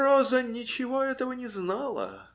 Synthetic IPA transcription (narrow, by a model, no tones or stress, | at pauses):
ɾozənʲɪt͡ɕɪvo̞ɛt̪əvənʲɪznalˠə̰